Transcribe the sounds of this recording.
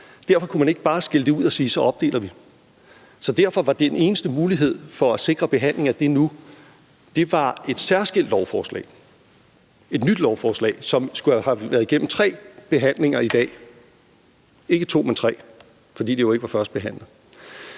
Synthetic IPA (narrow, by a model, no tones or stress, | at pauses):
d̥æɐ̰fɒ̽kʰumæne̝ɡ̥əb̥ɑ̈ːsɡ̥e̝ləd̥e̝uð̰ˠɒsiːsɒ̽ʔɒ̽b̥̚d̥e̝̰ːlɐʋi | sɒ̽d̥æɐfɒ̽ʋɑ̈d̥e̝ene̝ːnəsd̥əmuːliɦe̝ð̰ˠfɒ̽æse̝ɡ̥ʁɐb̥e̝ɦæn̰le̝ŋæd̥e̝nu | d̥e̝ʋɑ̈e̝d̥sæɐsɡ̥el̰d̥lɒʊfɒːslɛ̰ːɪ | e̝d̥nyd̥lɒʊfɒːslɛ̰ːɪsɒ̽msɡ̥uæhæʋæːɐðˠiɡ̥em̰m̩t͡sʰʁɛ̰ːb̥e̝ɦæn̰le̝ŋɐid̥ɛ̰ː | e̝ɡ̥ət͡sʰo̝̰ːment͡sʰʁɛ̰ː | fɒ̽dḭːd̥ejo̝e̝ɡ̥əʋɑ̈fɶɐsd̥̚b̥e̝ɦæn̰lð̩ˠ